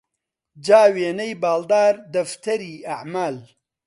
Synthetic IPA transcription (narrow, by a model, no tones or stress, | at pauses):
d͡ʒaːweːnɐjbaːld̪aːɾd̪ɐft̪ʰɐɾiːaʕmaːl